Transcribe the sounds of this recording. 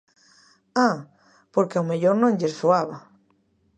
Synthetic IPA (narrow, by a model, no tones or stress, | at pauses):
a | poɾkeawmeʎoɾnõŋʎesoaβa